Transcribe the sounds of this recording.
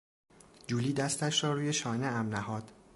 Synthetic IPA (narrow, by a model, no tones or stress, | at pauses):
d͡ʒuːliːd̪æst̪æʃɾɒːɾuːjeʃɒːneæmnæhɒːd̪̥